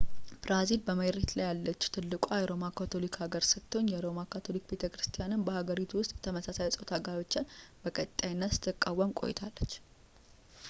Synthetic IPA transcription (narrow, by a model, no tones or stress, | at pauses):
b̥ɾazilbəməɾet̪lajalːət͡ʃːu̥t̪ʰɨlːɨkʼajɛɾo̞makʰat̪ʰo̞likhaɡəɾsɨkt̪ʰo̞ɲjɛɾo̞makat̪ʰo̞likbe̞t̪ʰəkɾɨst̪ʰijanɨnbəhaɡəɾit̪ʰuwʊst̪ʼjɛt̪ʰəməsasajɛsʼot̪ʰaɡaɾo̞t͡ʃːanbəkʼət̪ʼːajnːət̪sɨ̥t̪ʰːɨkʼːawːəmkʼo̞̰jɛ̰t̪ʰalːət͡ʃː